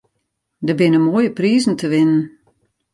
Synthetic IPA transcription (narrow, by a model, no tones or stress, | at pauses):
dəbɪnəmoːjəpriːzn̩tʰəʋɪnən